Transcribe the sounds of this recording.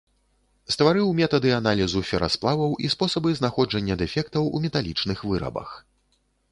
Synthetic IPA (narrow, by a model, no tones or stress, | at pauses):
st̪vaɾɨwmʲɛt̪ɐd̪ɨanalʲizufʲɛɾa̰splˠavɐwʔispɔsɐbɨznaxɔd͡ʐɐnʲːɐd̪ɛfʲɛkt̪ɐwṵmʲɛt̪alʲit͡ʂnɨxvɨɾɐ̰bɐ̰x